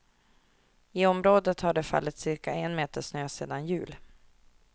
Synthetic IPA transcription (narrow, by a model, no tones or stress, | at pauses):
ɪɔmɾoːd̪ət̪haɖɛfa̰lːɪt̪sɪɾkaɛnmeːt̪əʂnøːsḛːd̪anjʉ̟ːl